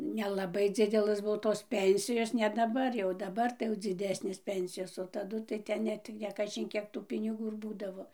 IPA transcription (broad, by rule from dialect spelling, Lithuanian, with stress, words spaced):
nʲɛlˠɐˈbɐɪ ˈd͡zʲɪdʲɛlˠɘs ˈbuɔ toːs ˈpʲɛnʲsʲɪjoːs nʲɛ dɐˈbɐr jɛʊ dɐˈbɐr tɐɪ jɛʊ d͡zʲɪˈdʲæːsʲnʲeːs ˈpʲɛnʲsʲɪjoːs oː tɐˈdʊ tɐɪ ˈtʲɛn ˈnʲɛt kɐˈʒʲɪn ˈkʲiɛk tuː pʲɪnʲɪˈɡuː ɪr ˈbuːdɐʋoː